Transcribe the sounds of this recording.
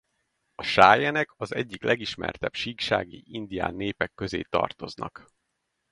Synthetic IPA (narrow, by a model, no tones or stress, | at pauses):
ɒʃaːjɛnɛkɒzɛɟːiklʔɛɡiʃmɛ̰rt̪ɛbʃiːkʃaːɡḭʔind̪ija̰ːnːeːpɛkːø̞zḛːt̪ɒ̰rt̪o̞znɒ̰k